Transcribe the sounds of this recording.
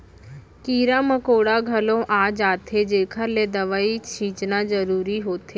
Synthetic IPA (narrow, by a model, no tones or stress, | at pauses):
kiːɾãːməkoːɽaɡʱəlõʔaːd͡ʒaːt̪ʰed͡ʒeːkʰəɾled̪əʋaːit͡ʃʰĩːt͡ʃnazəɾuːɾiɦoːt̪ʰeː